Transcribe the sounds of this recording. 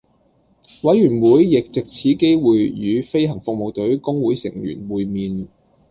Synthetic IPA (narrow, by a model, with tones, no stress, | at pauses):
wɐ˨˥jɥyː˨˩nwuː˨˧jːɪ˨k̚t͡sɪ˨k̚t͡sʰiː˨˥ke˥jwuː˨jːyː˨˧fe˥jɦɐ˨˩ŋfʊ˨k̚mo˨wt̪ɵ˨˥ɥkʊ˥ŋwuː˨˥jsɪ̰˨˩ŋjy̰ː˨˩nwuː˨jmiː˨n